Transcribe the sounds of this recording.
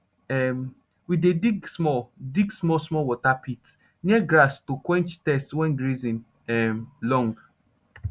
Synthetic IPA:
ɛm | widediɡsmɔdiɡsmɔsmɔwɔtapit | niɛɡɾastokwɛ̃nt͡ʃtɛstwɛ̃nɡɾizĩn | ɛmlɔ̃ŋɡ

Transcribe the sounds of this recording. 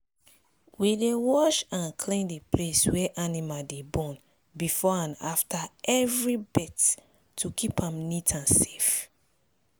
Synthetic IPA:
widewɔʃãnkʰlẽndepʰleswɛʔanimaldebɔ̃n | bifɔãnaftʰaɛvɹibɛt | tukʰipãmnitʰãnse̥f

